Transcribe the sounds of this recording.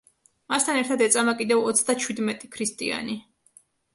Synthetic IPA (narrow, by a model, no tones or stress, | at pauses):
mast̪ʰanɛɾt̪ʰad̪ɛt̪sʼamakʼid̪ɛvɔt̪sʰd̪at͡ʃʰwid̪mɛt̪ʼikʰɾist̪ʼḭa̰ni